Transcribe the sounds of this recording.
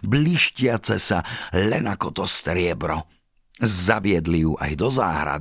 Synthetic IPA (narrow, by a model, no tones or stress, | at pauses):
bliʃcɪat͡sɛsalɛnakɔt̪ɔst̪ɾɪɛbɾɔ | zaʋɪɛd̪lijuːʔa̰jd̪ɔza̰ːɦɾa̰d̪